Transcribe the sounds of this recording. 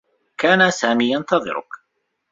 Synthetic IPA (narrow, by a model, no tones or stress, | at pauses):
kaːnasaːmiːjɑnt̪ɑðˤɨ̰ɾʊ̰k